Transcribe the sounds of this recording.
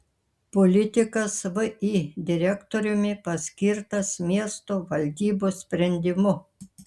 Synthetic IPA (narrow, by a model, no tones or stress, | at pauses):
pɔlʲɪt̪ʲɪkɐsʋɨʔid̪ʲɪɾʲɛkt̪oɾʲʊmʲɪpɐsʲkʲɪɾt̪ɐsmʲiɛst̪oʋɐlʲd̪ʲiːboːsʲpʲɾʲɛnʲd̪ʲɪmʊ